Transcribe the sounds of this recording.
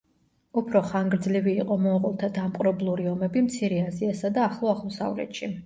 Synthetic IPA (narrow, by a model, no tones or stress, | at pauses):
upʰɾɔχaŋɡɾd̪zliviːqʼɔmɔʁʼɔlˠt̪ʰad̪amqʼɾɔblˠuɾiɔmɛbimt̪sʰiɾɛaziasad̪aːχlˠɔaʁmɔsa̰vlɛ̰t̪ʃi